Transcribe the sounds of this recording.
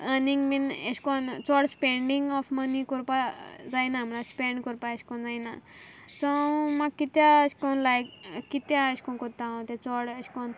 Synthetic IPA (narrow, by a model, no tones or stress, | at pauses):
əniŋɡminəskɔnt͡sɔɽspeɳɖiŋɡɔfmənikɔɾpad͡zajnam̤əlaspeɳɖkɔɾpaeskɔnd͡zajna̰sɔmakːit̪jaəskɔnlajkkːit̪jaəskɔ̃nkɔt̪ãõt̪et͡sɔɽəskɔn